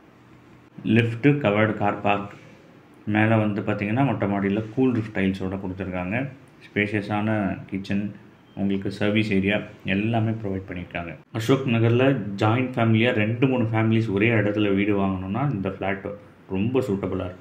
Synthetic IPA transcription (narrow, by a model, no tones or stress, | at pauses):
lɪfʈkɐʋɐɾɖkaːɾpaːɾk | meːlɐʋɐnd̪ɯpaːɾt̪iːŋɡɐnːaːmɔʈːɐmaːɽɪɪlɐskuːlɾɪfʈːɐɪlsoːɽɐkʊɽɯt̪ːɯɾɯkːaːŋɡɐ | speːʂiɐsaːnɐkɪt͡ʃːɐn | ʊ̰ŋɡɐɭɯkːɯsɐɾʋiseːɾɪjaːɛlːaːmeːpɾɔʋɐɪɖ̚pɐɳːɪɾɯkːaːŋɡɐɐʂoːknɐɣɐɾlɐd͡ʒaːjnʈfaːmɪlɪjaːɾɛɳɖɯmuːɳːɯfaːmɪlisɔɾeːɐɽɐt̪ːɪlɐʋiːɽɯʋaːŋɡɐnʊ̃mnːaːɪnd̪ɐflaːʈː | ɾɔmbɐsuːʈːɐbɯlaːɪɾɯkːɯ